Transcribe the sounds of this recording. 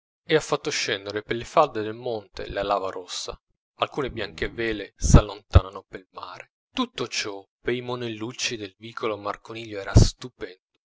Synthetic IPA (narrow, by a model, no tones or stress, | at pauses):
ɪafːat̪ːoʃːɛnd̪eɾepelːefald̪ed̪elmɔnt̪ḛlalaːvaɾɔsːa̰ | alkuːnebjaŋk̟evɛːlesalːont̪aːnanopelmaːɾe | t̪ut̪ːot͡ʃɔpejmonelːut͡ʃːid̪elviːkʰolomarkoniːʎːoɛːɾast̪upɛnd̪o